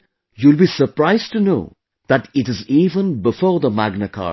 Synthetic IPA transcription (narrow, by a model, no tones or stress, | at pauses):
julˠbiːsəɾpɾaɪzʈuno̰ː | ð̥æʈɪʈɪziːvə̃nbɪfɔːɾd̪əmæɡnəkʰɑ̰ː